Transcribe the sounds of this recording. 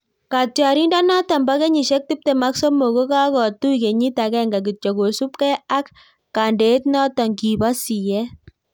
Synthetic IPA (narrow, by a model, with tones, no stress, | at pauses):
ka˨tja˨ɾi˦nda˦nɔ˦ta˨mba˦kɛ˦ɲi˨ʃɛ˦k̚ti˦p̚te˨ma˦ksɔ˦mo˨ko˦ka˦kɔ˨tu˦ike˨ɲi˦ta˨kɛ˦ŋɡa˨k̬i˨t͡ʃɔ˨ko˨su˦p̚kɛ˦a˦kː | a˨nde˨˦tnɔ˦ta˨ŋɡi˨ba˦si˨jɛ˦